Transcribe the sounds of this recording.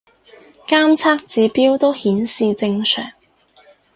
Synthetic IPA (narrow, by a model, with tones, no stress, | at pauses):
kaː˥mt͡sʰaː˥k̚t͡siː˨˧piː˥wt̪o˥whiː˨˥nsiː˧t͡sɪ˧ŋsʰœ̰ː˨˩ŋ